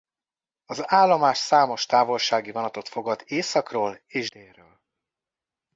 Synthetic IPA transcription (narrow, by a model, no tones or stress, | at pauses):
ɒzaːlːomaːʃsaːmo̞ʃt̪aːvo̞lʃaːɡivɒnɒt̪o̞t̪fo̞ɡɒd̪eːsɒkroːleːʒd̪eːrøːl